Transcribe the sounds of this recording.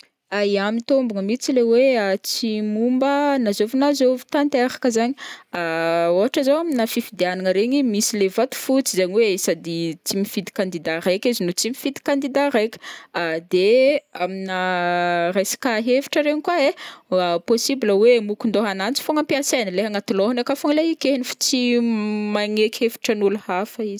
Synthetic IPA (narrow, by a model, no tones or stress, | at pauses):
aiamit̪ombuŋəmit͡sileweat͡simumbənazovinazovi̥t̪ant̪eɾḁkəzaɲiaoaʈ͡ʂəzowaminafifid̪eanaŋəɾeɲimisilevat̪u̥fut͡sizaɲiwesad̪it͡simifid̪i̥kand̪id̪arejkʲizinot͡simifid̪i̥kand̪id̪aɾejkʲi̥ad̪eamina | resi̥kaɦevi̥ʈ͡ʂəɾeɲikwae | posibiləwemukund̪oɦanant͡si̥foŋampiasanileɦaŋat̪uloɦanakafoŋleikenifu̥t͡simaŋekʲefi̥ʈ͡ʂənuluhafəiz̥